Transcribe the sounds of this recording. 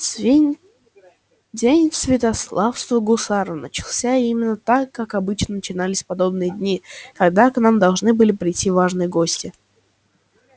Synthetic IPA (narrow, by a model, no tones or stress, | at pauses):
dʲenʲsvʲɪt̪ɐslˠafst̪vəɡʊsaɾənət͡ɕɪlˠsʲaimʲɪnːət̪akːakɐbɨt͡ɕnənət͡ɕɪnalʲɪsʲpɐd̪o̞bnɨjəd̪ʲnʲikɐɡd̪aknamd̪ɐlˠʐnɨbɨlʲɪpɾʲɪjtʲːivaʐnɨjəɡo̞sʲtʲɪ